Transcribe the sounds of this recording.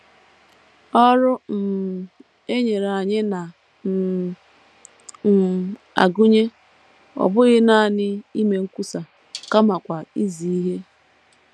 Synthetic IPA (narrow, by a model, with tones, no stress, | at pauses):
ɔ˦ɾʊ˦m̩˨ | e˦ɲe˨ɾa˨ɲɪ˦na˨ | a̰˨ɡʊ˦ɲe˦ | ɔ̰˨bʊ˦ɣɪ˦na˦˨nɪ˦i˦me˨ŋ̩˦kʷu˦sa˨ | ka˦ma˨kʷa˨i˦zi˨i˦ɦe˦